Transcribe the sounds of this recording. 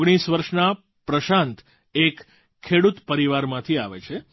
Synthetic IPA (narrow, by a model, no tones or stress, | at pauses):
ɡɽ̃isʋəɾʃna | pɾəʃãnt̪ | ekʰː | eɽut̪pəɾiʋaɾmãt̪ʰiaʋḛt͡ʃʰe